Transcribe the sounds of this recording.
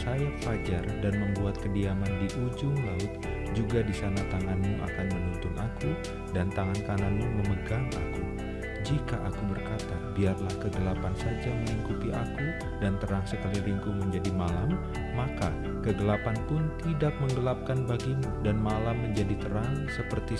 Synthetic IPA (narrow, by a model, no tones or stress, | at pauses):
sajapad͡ʒardanməmbuat̪̚kədiamandiʔud͡ʒʊŋlaʊt̪̚ | d͡ʒuɡadisanat̪aŋanmuʔa̰kanməŋunt̪ʊnʔaku | dant̪aŋankananmuməməɡaŋa̰ku | d͡ʒikaʔakubərkat̪abiarlahkəɡəlapansad͡ʒaməliŋkut̪iʔa̰ku | dant̪əɾaŋsəkaliliŋkuməɲd͡ʒadimalamː | aka | kəɡəlapanpʊnt̪idak̚məŋɡəlap̚kanbaɡimudanmalamːəɲd͡ʒadit̪əɾaŋsəpərt̪i